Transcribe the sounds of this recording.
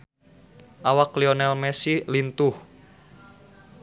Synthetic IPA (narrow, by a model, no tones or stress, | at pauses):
ʔawakliɔnɛlmɛsilint̪uh